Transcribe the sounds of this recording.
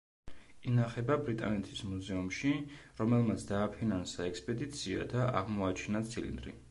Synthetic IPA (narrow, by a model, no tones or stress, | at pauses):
inaχɛbabɾit̪ʼa̰nɛt̪ʰi̥smuzɛumʃiɾɔmɛlˠmat̪sʰd̪aːpʰinansaɛkspʼɛd̪it̪sʰia̰d̪aʔaʁmɔat͡ʃʰinat̪sʰilḭnd̪ɾḭ